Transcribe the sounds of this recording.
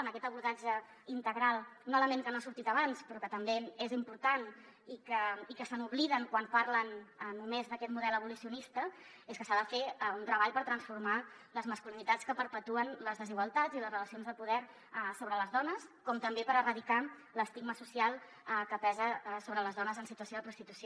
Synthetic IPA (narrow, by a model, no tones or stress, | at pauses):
ənəkɛt̪əβuɾðad͡ʒə | int̪əɣɾalˠnoləmenkənasuɾt̪it̪əβanspɾɔkət̪əmbeezimpuɾt̪an | ikəikəsənuβliðəŋkwanpaɾlənənumezðəkɛt̪muðɛləβulusiunist̪ə | eskəsaðəfeunt̪ɾəβaʎpəɾt̪ɾənsfuɾma | ləzməskulinit̪at͡sskəpəɾpət̪uənləzðəziɣwəlˠt̪ad͡ziləzrələsionzðəpuðɛɾ | soβɾələzðɔnəskɔmt̪əmbepəɾərəðika | ləst̪iɡməsusialˠ | kəpɛzəsoβɾələzðɔnəzənsit̪uəsioðəpɾust̪it̪usio